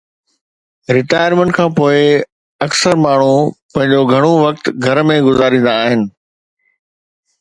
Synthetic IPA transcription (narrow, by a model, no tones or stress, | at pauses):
ɾɪʈaːjəɾmẽɳʈkʰãːpoːɪ | ɐksəɾmaːɳ̤upɐ̃ɦɪ̃ɲd͡ʑoɡʱɐɽ̃oʋɐk̚t̪ɡʱɐɾmẽɡʊzaːɾĩːn̆d̪aːɦɪnɪ̆